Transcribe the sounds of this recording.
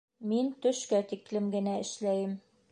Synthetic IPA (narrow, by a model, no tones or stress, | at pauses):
mint̪ɵ̆ʃkæt̪iklɘmɡɘ̆næɘ̆ʃlæjɘm